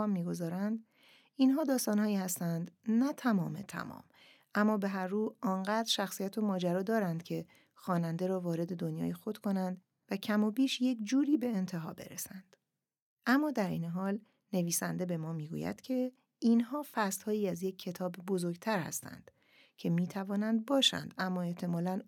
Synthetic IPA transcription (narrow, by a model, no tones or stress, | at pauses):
mːiːɡo̞zɒːɾænd̪ | iːnɦɒːd̪ɒːst̪ɒːnhɒːjiːhæst̪ænd̪næt̪ʰæmɒːmet̪ʰæ̰mɒ̰ːm | ʔæmːɒːbe̞ɦæɾːuːɒːnɢæːd̪ɾʃæxsijæt̪ʰo̞mɒːd͡ʒæɾɒːd̪ɒːɾænd̪cʰe̞ | xɒːnænd̪e̞ɾɒːvɒːɾe̞d̪e̞d̪onjɒ̰ːjexo̞d̪̥kʰo̞nænd̪ | væcʰæmobiːʃje̞cd͡ʒuːɾiːbe̞ːnt̪ʰe̞ɦɒ̰ːbe̞̰ɾḛsænd̪̥ | ʔæmːɒːd̪æɾḭːneɦɒːl | ne̞viːsænd̪e̞be̞mɒːmiːɡṵjæ̰d̪̥cʰe̞ | inɦɒːfæst̪hɒːjiːæzje̞cʰːe̞t̪ʰɒːbbozo̞ɾɡt̪ʰæɾhæ̰st̪æ̰nd̪̥ | cʰe̞miːt̪ʰævɒːnænd̪̚bɒːʃæ̰nd̪̥æmːɒːe̞ht̪ʰe̞mɒːlæn